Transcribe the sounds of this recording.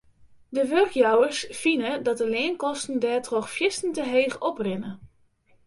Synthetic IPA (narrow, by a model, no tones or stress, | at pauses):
dəʋørkjawəsfinədɔt̚dəleːnkɔstn̩dɛːtrɔxfjɪstn̩təɦeːxɔprɪnə